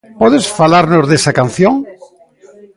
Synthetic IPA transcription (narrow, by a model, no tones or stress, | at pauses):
pɔðesfalaɾnozðesakan̟θjoŋ